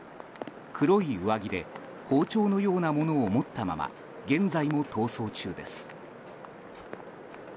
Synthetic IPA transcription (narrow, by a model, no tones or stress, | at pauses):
kʰɯɾo̞iɯβaɡʲid̪e̞̰ | hoːt͡ɕo̞ːno̞jo̞ːnamo̞no̞ːmo̞t̪ːama̰ma̰ | ɡẽ̞nd͡zaimo̞t̪ʰo̞ːso̞ːt͡ɕɨːd̪e̞sɨ̥